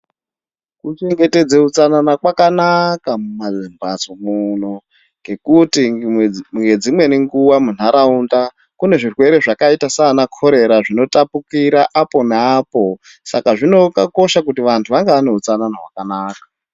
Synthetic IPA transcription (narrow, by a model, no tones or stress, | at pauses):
kut͡ʃe̞ŋɡe̞te̞d͡ze̞ut͡sananakwakanakamumazimbat͡somuno̞ | ŋɡe̞kutimɡe̞d͡zimwe̞niŋɡuwamun̤aɾaunda | kune̞ʐirwe̞ɾe̞ʐakaitasanakʰo̞ɾe̞ɾaʐino̞tapukiɾaʔapo̞neaːpo̞ | sakaʐino̞kako̞ʃak̬utiʋantʰuʋaŋɡeʋane̞ut͡sananaɦwakanaːkḁ